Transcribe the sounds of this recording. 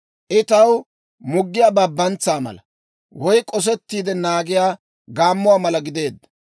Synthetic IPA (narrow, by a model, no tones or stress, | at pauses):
ʔɪt̪ɐw | mʊɡːɪjaːbɐbːɐnt͡saːmɐ̰lɐ | wɔjkʼɔs̬ɛt̪ːiːd̪ɛnaːɡɪjaː | ɡaːmːʊwaːmɐlɐɡɪd̪e̞ːd̪ːɐ̥